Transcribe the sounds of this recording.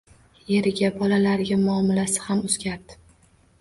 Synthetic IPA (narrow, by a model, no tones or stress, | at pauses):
je̞ɾɪɡʲabɒlalaɾɪɡʲamʊɒmɪlasɪ̥hamʊz̥ɡʲaɾd̪ɪ̥